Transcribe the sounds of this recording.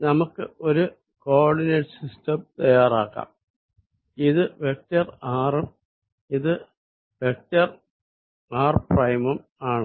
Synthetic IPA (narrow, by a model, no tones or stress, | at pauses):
nɐmukːɨo̞ɾu | koːrɖineʈɨsistɐmt̪ɐjːaːraːkːa̰ːm | iðɨʋek̚tɐraːrum | iðɨ | ʋek̚tɐr | aːrprɐjmumaːɳɨ